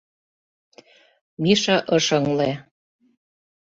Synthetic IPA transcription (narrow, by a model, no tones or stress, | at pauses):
miʃɑʔɤʃɤŋle